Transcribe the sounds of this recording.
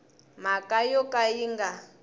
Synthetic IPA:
makʼajɔkʼaiŋɡa

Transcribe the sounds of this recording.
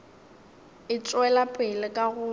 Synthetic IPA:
ɪt͡sʼwɛlapʼɪlɪkʼaɣʊ

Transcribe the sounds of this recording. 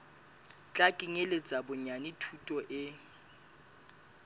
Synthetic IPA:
t͡ɬʼakʼɪŋɛlɪd͡zʼabʊɲanitʰutʼɔʔɪ

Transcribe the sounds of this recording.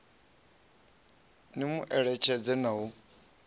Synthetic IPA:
nimuʔɛɺɛt͡ʃʰɛd͡zɛnaɦu

